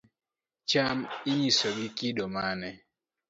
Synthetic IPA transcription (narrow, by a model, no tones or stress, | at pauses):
t͡ʃamɪɲisɔɡɪkɪdɔmanɛ